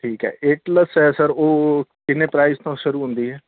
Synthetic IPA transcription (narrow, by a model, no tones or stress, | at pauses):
ʈʰiːkɦɛ̰ːʔeːʈləsɦɛːsəɾoːkɪnːeːpɾaːɪst̪õːʃʊɾuːɦʊ̃nd̪iːɦɛː